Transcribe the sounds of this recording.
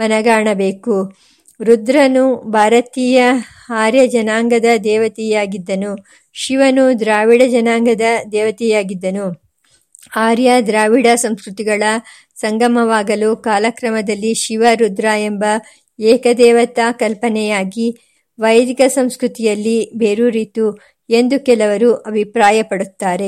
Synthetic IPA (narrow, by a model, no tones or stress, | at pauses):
mɐnɐɡaːɳɐbeːku | ɾud̪ɾɐnubʱaːɾɐt̪iːjɐ | aːɾjɐd͡ʒɐnaːŋɡɐd̪ɐd̪ɛːʋɐt̪ijaːɡid̪ːɐnu | ʃiʋɐnud̪ɾaːʋiɽɐd͡ʒɐnaːŋɡɐd̪ɐd̪ɛːʋɐt̪ɛjaːɡid̪ːɐnu | haːɾjɐd̪ɾaːʋiɽɐsɐmskɾut̪iɡɐɭɐ | sɐŋɡɐmɐʋaːɡɐlukaːlɐkɾɐmɐd̪ɐlːiʃiʋɐɾud̪ɾaːembɐ | ɛːkɐd̪ɛːʋɐt̪aːkɐlpɐnɛjaːɡi | ʋɐjɐd̪ikɐsɐmskɾut̪ijɐlːibeːɾuɾit̪u | e̞nd̪ukɛlɐʋɐɾuʔɐbʱipɾaːjɐpɐɽut̪ːaːɾe̞